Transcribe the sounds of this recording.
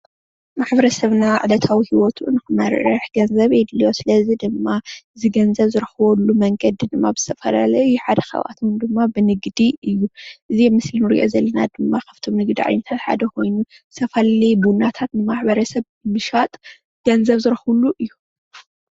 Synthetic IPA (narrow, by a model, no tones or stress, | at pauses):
maħbɐɾɐsɐβnaʕd̪ɐt̪ʰawihiwɔt̪ʰunɨxɨmɐɾɐħɡɐnzɐβejd̪ljo̞sɨlɐzid̪ɨmːaɨziɡɐnzɐβzɨɾxɨβɐlːumɐŋɡɐd̪id̪ɨmːabɨz̥ɨ̥t̪ʰɐfɐla̰lɐɨjːuħad̪ɐxɐ̰βa̰t̪ʰund̪ɨmːabɨnɨɡd̪iɨjːuʔɨziɛmɨslinɨɾḭʔo̞̰zɐlːɐnad̪ɨmːakʰaβ̥t̪ʰo̞mnɨɡd̪iʕa̰jnɐt̪ʰat̪ħa̰d̪ɐkʰo̞jnu | ɨt̪ʰɐfɐllibunːat̪ʰat̪nɨmaħbɐɾɐsɐβ | ɨmɨʃat̪ʼ | ɡ̥ɐnzɐβzɨɾxluʔɨjːu